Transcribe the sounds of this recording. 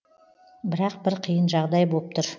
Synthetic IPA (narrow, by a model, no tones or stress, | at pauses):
bɪɾɑq̚bɪɾqʰijənʒɑʁd̪ɑjbop̚t̪ʰʊɾ